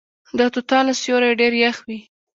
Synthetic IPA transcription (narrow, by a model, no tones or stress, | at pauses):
d̪ɑt̪ʊt̪ɑnasjoɾajɖeɾjaxwi